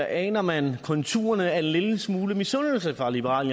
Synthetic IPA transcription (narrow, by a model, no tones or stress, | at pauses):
ʔɛ̰ːnɐmænkʰɔ̽nt͡sʰṵːɐnəæɐe̝nleləsmuːləmisɔnl̩səfʁɑ̈lib̥əʁɑ̰ːl